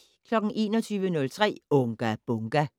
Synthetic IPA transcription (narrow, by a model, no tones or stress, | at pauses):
kʰlɒ̽ɡ̥n̩ʔe̝̰ːnɒt͡sʰyːʋənɔ̽lt͡sʰʁɛ̰ːɔŋɡ̥æb̥ɔŋɡ̥æ